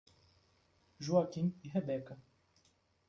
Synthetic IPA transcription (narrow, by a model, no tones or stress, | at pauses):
ʒuakiniɦɛbɛkɐ